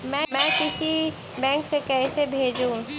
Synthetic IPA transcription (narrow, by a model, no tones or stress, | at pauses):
mɛ̃mɛ̃kɪsi | bɛ̃ːŋksekɛsebʱeːd͡ʒũ